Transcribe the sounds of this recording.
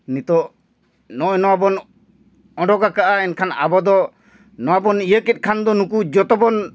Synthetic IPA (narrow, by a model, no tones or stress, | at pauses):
nit̪ɔʔ | nɔɔnɔwabɔn | ɔ̃ɖɔɡakaʔaɛnkʰana̰bɔd̪ɔ | nɔwabɔnijəkit̪̚ˀkʰand̪ɔnukud͡ʒɔt̪ɔbɔn